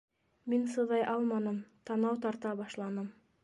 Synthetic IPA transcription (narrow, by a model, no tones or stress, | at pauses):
minsɤ̆ðɑjʔɑlˠmɑnɤmt̪ɑnɑwt̪̬ɑɾt̪ɑbɑʃlˠɑnɤm